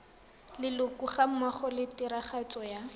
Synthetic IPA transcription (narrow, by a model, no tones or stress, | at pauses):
lɪlʊkuχam̩maχɔlɪtɪɾaχat͡sʼɔja